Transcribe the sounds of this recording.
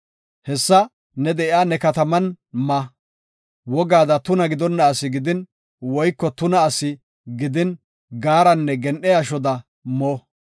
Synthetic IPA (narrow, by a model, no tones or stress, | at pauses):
hɛsːɐ | nɛd̪ɛʔɪaːnɛkɐt̪ɐmɐn | mɐ | wɔɡaːd̪ɐt̪ʊnɐɡɪd̪ɔnːɐːsɪɡɪd̪ɪn | wɔjkːɔt̪ʊnɐːsɪ | ɡɪd̪ɪn | ɡaːɾɐnːɛɡɛnʔɛjaʃɔd̪ɐ | mɔː